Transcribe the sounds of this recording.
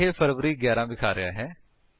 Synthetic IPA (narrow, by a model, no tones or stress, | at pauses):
eːfʰəɾʋəɾiːɡɛːɾãːbɪkʰaːɾɪjaːɦɛː